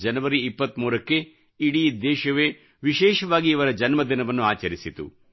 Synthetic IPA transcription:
d͡ʒɐnɐʋɐɾiːpːɐt̪ːmuːɾɐkːe̞ | iɽiid̪eːʃɐʋeː | ʋiʃɛːʃɐʋaːɡiiʋɐɾɐd͡ʒɐnmɐd̪inɐʋɐnːuaːt͡ʃɐɾisit̪ṵ

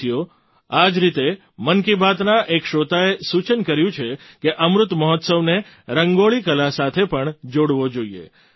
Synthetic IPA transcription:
jo | ad͡ʒɾit̪e | mənkibʱat̪naʔekʃot̪aesut͡ʃənkəɾjũt͡ʃʰe | keʔəmɾʊt̪məɦɔt̪səʋne | ɾəŋɡoɭikəlasat̪ʰepəɳd͡ʒoɽʋod͡ʒoiḛ

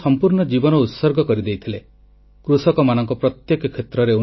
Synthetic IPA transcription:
sɔmpuɾnɔd͡ʒibɔnɔut̪sɔɾɡɔkɔɾid̪ejt̪ʰile | kɾusɔkɔmanɔŋkɔpɾɔt̪jekɔkʰːet̪ɾɔɾeu

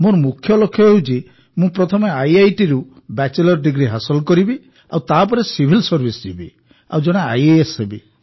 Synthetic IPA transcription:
mõɾmũkʰːjɔlokʰːjɔɦewt͡ʃi | mũpɾɔt̪ʰɔmeajajʈiɾu | bat͡ʃelɔɾɖiɡɾiɦasɔlkɔɾibi | a̰wt̪ap̬ɔɾesibʱilsɔɾbʱisd͡ʒibi | a̰wd͡ʒɔɽ̃ea̰jeesebi

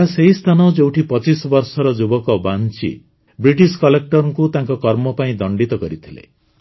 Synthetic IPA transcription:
aseɦist̪ʰanɔd͡ʒewʈʰipɔt͡ʃisɔbɔɾsɔɾɔd͡ʒubɔkɔbant͡ʃḭ | bɾiʈiskɔlek̚ʈɔɾɔŋkut̪aŋkɔkɔɾmɔpaĩd̪ɔɳɖit̪ɔkɔɾit̪ʰilḛ

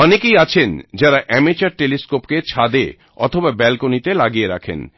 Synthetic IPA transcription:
ɔnekejat͡ɕʰend͡ʑaɾaʔɛmet͡ɕaɾʈeliskopket͡ɕʰad̪ḛ | ɔ̰t̪ʰobabɛlkonit̪elaɡijeɾa̰kʰḛn

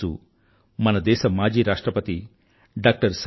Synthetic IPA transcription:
ṵ | mɐnɐd̪ɛːʃɐmaːd͡ʒiːɾaːʂʈɾɐpɐt̪i | ɖaːk̚ʈɐɾs

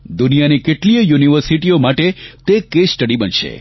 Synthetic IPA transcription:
d̪unijanikeʈliəjuniʋəɾsiʈiomaʈet̪ekesʈəɽibənʃḛ

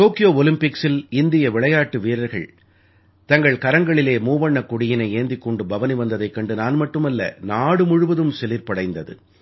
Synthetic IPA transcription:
t̪oːkɪjoːɔlɪmpɪksɪlɪnd̪ɪjɐʋɪɭɐjaːʈːɯʋiːɾɐɾɣɐ̰ɭ | t̪ɐŋɡɐɭkɐɾɐŋɡɐɭɪleːmuːʋɐɳːɐkːʊɽɪjɪnɐɪeːnd̪ɪkːɔɳɖɯbɐʋɐniʋɐnd̪ɐðɐɪkːɐɳɖɯnaːnmɐʈːɯmɐlːɐ̰naːɽɯmʊɻʊʋɐðɯmsɛlɪɾpɐɽɐɪnd̪ɐðɯ̰

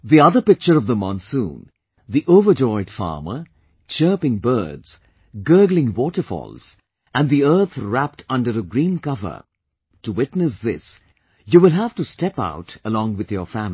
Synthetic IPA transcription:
ðiʌðəpɪk̚t͡ʃəɾʌvðəmɑ̃nsṵ̃ːn | ðiʔovəd͡ʒɔɪd̥fɑ̰ɹmə̰ | t͡ʃɜːpɪ̃ŋbɜ̰ːdz̥ | ɡɜ˞ɡlɪ̃ŋwɔʈəfɔ̰ːlˠz̥ | æ̃nðiɜ˞t̪ʰɹæp̚tʰʌ̃nɖəɾəɡɾĩːnkʌvə̰˞ | tuwɪtnɨsðɪ̰s | juwɪlˠɦæv̥tustɛpa̰ʊtəlɔ̃ŋwɪðjəfæmi

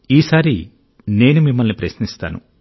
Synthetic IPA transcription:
iːsaːɾi | ne̞ːnumimːɐlnipɾɐʃnist̪a̰ːnṵ

